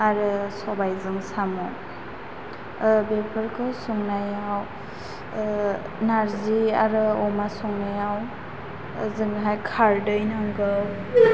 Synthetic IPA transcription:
aɾɯsɔbajzɯŋsamɔ | bepʰɯɾkʰɯsuŋnajaw | naɾziaɾɯɔmasuŋnajaw | zɯŋɦajkʰaɾdɯjnaŋɡɯw

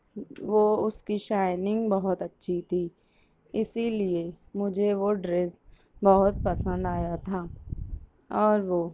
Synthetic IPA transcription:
ʋoʊskiʃaːɪnɪ̃ŋɡbɐɦʊt̪ɐtːʃʰit̪ʰiː | ɪsilie | mʊd͡ʒʱeʋoɖɾes | bɐɦʊt̪̚pɐsə̃nd̪aːjat̪ʰaː | ɔːɾʋo

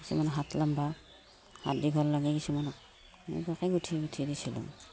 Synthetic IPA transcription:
kisumanɔɦatlamba | ha̰tdiɡʱɔllaɡɛkisumanɔk | mḭbakɛɡutʰiɡutʰidisilṵ

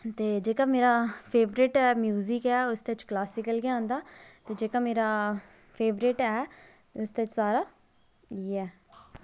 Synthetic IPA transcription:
t̪eːd͡ʒeːkaːmeːɾaːpʰeːʋɾɪʈɛːmjuːzɪkɛːʊst̪et͡ʃklaːsɪkəlɡɪãːnd̪aːt̪eːd͡ʒeːkaːmeːɾaː | pʰeːʋɾɪʈɛː | t̪eʊst̪et͡ʃsaːɾaː | iːɛː

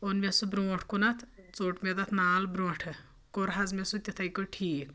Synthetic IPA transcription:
onmesubɾoːʈʰkunɐt̪ʰt͡soːʈmed̪ɐt̪ʰnaːlbɾoːʈʰɨ | koɾɦɐzmesut̪ʲit̪ʰɐjkoʈʰiːk

